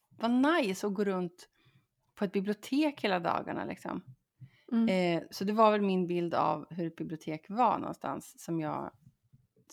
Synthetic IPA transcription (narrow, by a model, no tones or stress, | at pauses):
vanajsɔɡoːɾɵnt̪ | pʰːɔɛt̪̚bɪblɪʊt̪ʰeːkheːlad̪ɑ̰ːɡa̰ɳa̰lɪ̰ksɔ̰m | sɔd̪ɛvaɾvɛlmɪnbɪld̪a̰vɦɵɾɛt̪̚bɪblɪʊt̪ʰeːkvaɳɔ̰nst̪ʰa̰nsːɔmjɑ̰ː